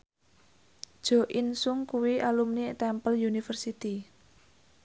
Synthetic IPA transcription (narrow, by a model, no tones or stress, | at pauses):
d̥ʒ̥ɔ̤ʔinsʊŋkuwiʔalumnit̪ɛmpəljunifərsit̪i